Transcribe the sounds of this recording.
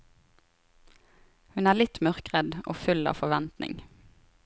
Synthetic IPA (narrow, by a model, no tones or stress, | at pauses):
hʉnæːlɪt̪mœʁkʁəd̪ʔo̰ːfʉlɑ̰ːʋfɔʋɛnt̪nɪ̰ŋ